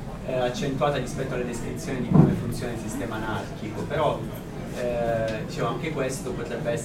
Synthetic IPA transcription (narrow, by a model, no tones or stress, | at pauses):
at͡ʃːent̪uaːt̪aɾispɛt̪ːoalːad̪eskɾit̪sjoːnid̪ikomefunt̪sjoːnailsist̪ɛːmanart̪ikopeɾɔ | d̪it͡ʃɛːmoaŋkekwest̪opot̪ɾɛbːeɛs